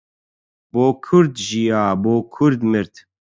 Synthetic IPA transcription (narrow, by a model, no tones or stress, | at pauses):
boːkʰʊɾd̪ʒijaːboːkʰʊɾd̪mɨɾt̪